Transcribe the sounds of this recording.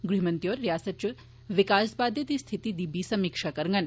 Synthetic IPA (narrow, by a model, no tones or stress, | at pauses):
ɡɾimɐnt̪joːɾːjaːsɐt͡ʃu | ʋikaːsbaːd̪ʱjɐt̪ist̪ʰit̪id̪ibʱiːsɐmikʂakɐɾŋɡɐn